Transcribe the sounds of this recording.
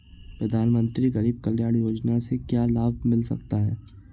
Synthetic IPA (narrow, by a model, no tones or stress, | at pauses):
pɾɐd̪ʱaːnmə̃nt̪ɾiɣɐɾiːb̚kɐljaːɽjoːd͡ʒnasekjaːlaːb̚mɪlsɐ̰kt̪aɦɛː